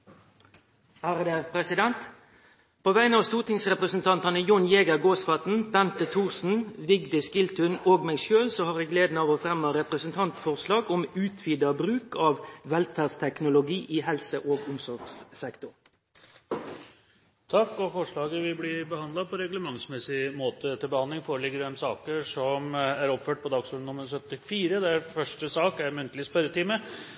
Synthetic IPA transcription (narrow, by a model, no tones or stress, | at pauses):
hæːʁəd̪eːpʰɾɛsɪd̪ɛnt̪ | pʰoːʋæɪnɑʋst̪uːʁt̪ɪŋsʁɛpʁəsnt̪ʰɑnt̪ɑnəjʊnjeːɡəɡoːsfɑt̪n̩b̥ɛnt̪ət̪ʰuːʁsn̩ʋɪɡd̪ɪskɪlt̪ʉnoːɡmɛɡʃøːlsɔhɑːʁæɡleːd̪nɑːʋoːfɾɛmːɑɾɛpʁəsənt̪ʰɑnt̪fɔʁslɑːɡɔmʉːt̪ʰʋid̪ɑbɾʉːkɑːʋʋɛlfæst̪ʰɛknʊlʊɡiːʔɪɦɛlsəʔoːɡʊmsɔɾɡssɛkt̪ʊʁ | t̪ʰɑkːɔfɔʂɭɑːɡəʋɪblɪbəhɑnd̪ɑpʰɔɾɛɡləmɑŋsmɛsɪmoːt̪ət̪ɪlbəhɑnd̪lɪŋfoːɾəɭɪɡəɾɛmsɑːkəʂɔmæɾɔpføːʈ̚pʰɔd̪ɑːɡsuːɖn̩ʊməɾsœt̪ɪfiːɾəd̪ɛæɾfœʂʈəsɑːkæɾmʉnt̪əlɪspœɾət̪iːmə